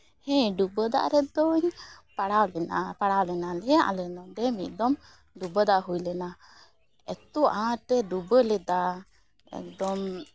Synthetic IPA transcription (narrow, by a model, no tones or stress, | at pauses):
hɛ̃ɖubəd̪a̰ʔɾɛd̪ɔɲpaɽawlɛnapaɽawlɛnalɛjaʔalɛnɔd̪ɛmit̪̚ˀd̪ɔm | ɖubəd̪aʔɦujlɛna | ɛt̪uʔãʈɛd̪ubəlɛd̪a | ɛ̰k̚d̪ɔm